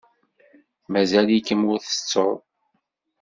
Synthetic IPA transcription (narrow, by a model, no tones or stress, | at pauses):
mæzælikːəmʊɾθə̥t͡sːoɾˤ